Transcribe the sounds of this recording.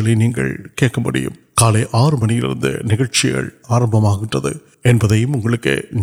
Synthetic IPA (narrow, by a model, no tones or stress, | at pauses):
ɐɭɐɪniːŋɡɐ̰ɭkeːʈ̚kɐmbɐɽɪ̰jɯ̰m | kaːleʔaːrɯmɐnɪjɪlɪ̰ɾɯnd̪ɯ̰nɪɣɐɻt͡ʃɪɣɐ̰ɭaːɾɐmbɐmaːɣɪʈrɐðɯ̰ | ɛnbɐðɐjɯmʊŋɡɐɭɯkːɯ̰n